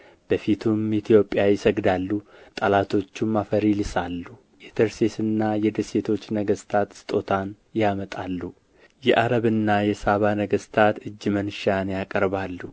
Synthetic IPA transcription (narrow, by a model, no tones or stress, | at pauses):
b̥əfit̪ʰumit̪ʰijo̞pʼjajɪsəɡd̪alːut̪ʼalat̪ʰo̞t͡ʃːumːafəɾilisalːu | ʔet̪ʰəɾsesɨnːajɛd̪əse̞t̪ʰo̞t͡ʃːnəɡəst̪ʰat̪sɨ̥t̪ʼo̞t̪ʰan | jamət̪ʼalːu | jɛʔaɾəβɨnːajɛsaβanəɡəst̪ʰat̪ɨd͡ʒːmənʃanjakʼəɾβalːu